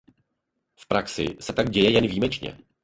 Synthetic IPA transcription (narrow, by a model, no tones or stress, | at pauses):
fpɾaksɪ̰sɛt̪aɡ̚ɟɛjɛjɛnviːmɛt͡ʃɲɛ̰